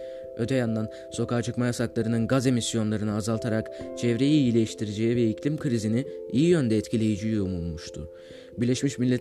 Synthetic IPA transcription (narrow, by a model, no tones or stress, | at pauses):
ø̞t̪ʰɛjand̪an | so̞kaːt͡ʃʰɯkmajasaklˠaɾɯnɯnɡaze̞misjo̞nlˠaɾɯnɯazalˠt̪ʰaɾakt͡ʃʰɛvɾejijilʲejiʃt̪ʰiɾed͡ʒejivɛiclʲimkʰɯɾiziniijijø̞nd̪ɛːt̪cʰilʲe̞jid͡ʒijomulˠmuʃt̪ʰʊ | biɾlʲɛʃmiʃmilʲːɛt̪